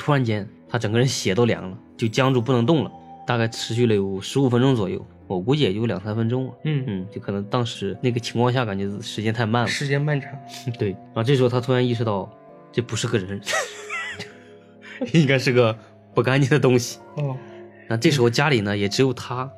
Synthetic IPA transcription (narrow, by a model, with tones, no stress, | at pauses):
t̪ʰu˥ɻa˧˥nt͡ɕjɛ˧˥nt̪ʰa˥ʈ͡ʂɤ˨˩ŋɡə˧ɻə˧˥nɕjɛ˧˥t̪o˥ʊljɑ̰˨˧˥ŋlə˧t͡ɕjo˥˩ʊt͡ɕjɑ˥ŋʈ͡ʂu˥˩pu˥˩nɤ˧˥ŋt̪ʊ˥˩ŋlə̰˩t̪a˥˧ka˥˩ɪʈ͡ʂʰɻ̩˧˥ɕy˥˩lə˩jo˨˩ʊʂɻ̩˧˥u˨˩fə˥nʈ͡ʂʊ˥ŋt͡swɔ˨˩jo̰˥˩ʊ | wɔ˨˩ku˧˥t͡ɕjɛ˨˩t͡ɕjo˥˧˥ʊljɑ̰˨˩ŋsa˥nfə˥nʈ͡ʂʊ˥ŋln˥˩n̩˥˩t͡ɕjo˥˩ʊkʰɤ˨˩nɤ˧˥ŋt̪ɑ˥ŋʂɻ̩˧˥na˥˩ɡə˩t͡ɕʰi˧˥ŋkʰwɑ˥˧ŋɕja˥˩ka˨˩nt͡ɕɥɛ˧˥˧ʂɻ̩˧˥t͡ɕjɛ˥nt̪ʰa˥˧ɪma˥˩nlʂɻ̩˧˥t͡ɕjɛ˥nma˥˩nʈ͡ʂʰɑ˨˩˦t̪we˥˩ɪɻʈ͡ʂɤ˥˩ʂɻ̩˧˥˧t̪ʰt̪ʰu˥ɻa˧˥ni˥˩ʂɻ̩˧t̪ɑ˥˩ʊ | ʈ͡ʂɤ˥˩pu˧˥ʂɻ̩˥˧˥ɡə˧˩ɻə˧˥n | t͡ɕ | i˥ŋka˥ɪʂɻ̩˥˩˧ɡə˩ | pu˥˩ka˥nt͡ɕɛ˥˩nd̪ə˩t̪ʊ˥ŋɕi̥˨ | ɔ˥˩na˥˧ʈ͡ʂɤ˥˩əʂ̬ɻxo˥˧t͡ɕja˥li˨˩nə˦jɛ˨˩ʈ͡ʂɻ̩˧˥jo˨˩ʊt̪ʰa˥